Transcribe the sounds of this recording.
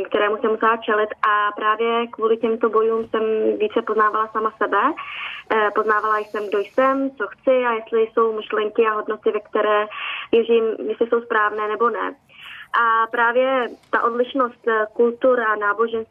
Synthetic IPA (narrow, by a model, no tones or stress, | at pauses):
k̚t̪ɛɾɛːmusɛmusɛlat͡ʃɛlɪt̪ʔapɾaːvjɛkvuːlɪcɛmt̪o̞bo̞juːmsɛmvjiːt͡sɛpoznaːvalasamasɛbɛ | po̞znaːvalajsɛmɡdo̞jsɛmt͡so̞xt͡sɪajɛst̪lɪjso̞wmɪʃlɛŋkɪaɦo̞dno̞t̪ɪvɛkt̪ɛɾɛːvjɛriːmjɛslɪso̞wspɾaːvnɛːnɛbo̞nɛ̰ | ʔapɾaːvjɛt̪aʔo̞dlɪʃno̞st̪kult̪uɾanaːbo̞ʒɛns